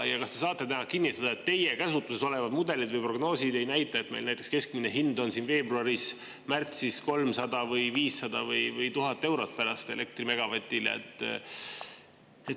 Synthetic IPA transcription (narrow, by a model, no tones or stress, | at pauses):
jɑkɑst̪esɑːt̪ˑːe̞t̪ænɑkinːit̪ːˑɑd̪̥ɑe̞t̪ːe̞jekæsut̪ːˑuseso̞le̞vɑd̪mud̪e̞lid̪vɯjpro̞ɡno̞ːsid̪e̞jnæjt̪ːˑɑet̪mejlnæjt̪ːˑe̞kske̞skmineɦind̪o̞nsinve̞ːbruɑɾis | mært̪sisko̞lmsɑd̪ɑvɯjviːsːɑd̪ɑvɤjvɯjt̪uɦɑt̪ːe̞wɾo̞t̪̚pæɾɑst̪e̞le̞k̚t̪rime̞ɡ̥ɑvɑt̪ʲːˑilḛḛt̪ˑː | et̪